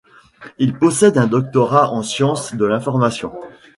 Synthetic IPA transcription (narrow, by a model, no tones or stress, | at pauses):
ilpɔsɛd̪ɛ̃d̪ɔk̚t̪ɔʁaʔɑ̃sjɑ̃sd̪əlɛ̃fɔʁmasjɔ̃